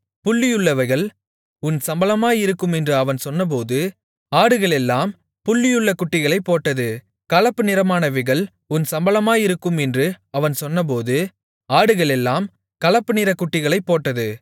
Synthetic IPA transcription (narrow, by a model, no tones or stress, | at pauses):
pʊɭːɪjɯɭːɐʋɐɪɣɐɭ | ʊnsɐmbɐlɐmaːjɪɾɯkːɯmɛndrɯɐʋɐnsɔnːɐp̬oːðɯ | aːɽɯɣɐɭɛlːaːm | pʊɭːɪjɯɭːɐkʊʈːɪɣɐɭɐɪpːoːʈːɐðɯ | kɐlɐpːɯnɪɾɐmaːnɐʋɪɣɐɭ | ʊnsɐmbɐlɐmaːjɪɾɯkːɯmɛndrɯɐʋɐnsɔnːɐp̬oːðɯ | aːɽɯɣɐɭɛlːaːm | kɐlɐpːɯnɪɾɐkːʊʈːɪɣɐɭɐɪpːoːʈːɐðɯ